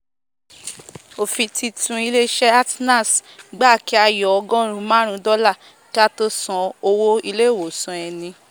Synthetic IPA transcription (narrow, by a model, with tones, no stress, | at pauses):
o˨fi˧tʰi˧tʰũ˧i˧le˦ʃɛ˦a˦tna˦˨sɡ͡ba˦˨ki˨˦a˧jɔ˨ɔ˧ɡɔ̃˦ɾ̃ũ˧˦mãː˦ɾ̃ũ˧˦dɔ˦la˦˨ | ka˦to˧sɔ̃˨˧o˧wo˦i˧le˦˨wo˨sɔ̃˨ɛ˧nĩ˧